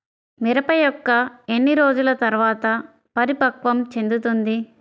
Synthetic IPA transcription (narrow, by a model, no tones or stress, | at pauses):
miɾɐpɐjɔkːɐenːiɾoːd͡ʒulɐt̪ɐɾʋaːt̪ɐ | pɐɾipɐkʋɐmt͡ʃe̞nd̪ut̪und̪i